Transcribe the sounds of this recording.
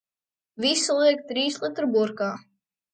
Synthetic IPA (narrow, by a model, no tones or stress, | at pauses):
visulˠiɛkt̪ɾiːslˠɨt̪ɾbuɾkaː